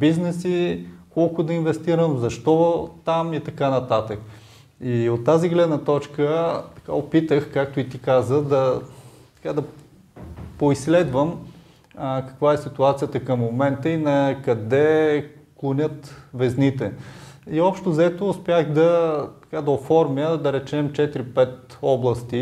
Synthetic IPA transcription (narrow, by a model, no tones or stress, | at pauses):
biznɛsikɔlˠkʊd̪ɐinvɛst̪iɾəmzɐʃt̪ɔt̪amit̪ɐkanɐt̪at̪ək | iot̪ːaziɡlɛd̪nət̪ɔt͡ʃkət̪ɐ̥ka̰opit̪əxkak̚t̪ʊit̪ikazəd̪ɐt̪ɐ̥kad̪ɐ | poislɛd̪vəm | kɐ̥kvaɛsit̪uat̪sijət̪əkɐmːomɛnt̪əinɐkɐd̪ɛklˠonʲət̪vɛznit̪ɛiɔpʃt̪ozɛt̪oʊspʲjaɣd̪ɐt̪ɐ̥kad̪ɐofɔɾmjəd̪ɐɾɛt͡ʃɛmt͡ʃɛt̪ɾipɛt̪ɔblˠɐst̪i